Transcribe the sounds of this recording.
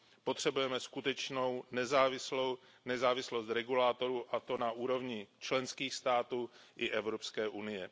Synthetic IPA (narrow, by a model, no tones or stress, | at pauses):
po̞t̪r̝̥ɛbujɛmɛskut̪ɛt͡ʃno̞wnɛzaːvɪslow | nɛzaːvɪslo̞st̪ɾɛɡulaːt̪o̞ɾuːʔat̪o̞naʔuːɾo̞vɲɪt͡ʃlɛnskiːxst̪aːt̪uːʔɪʔɛvɾo̞pskɛːʔunɪjɛ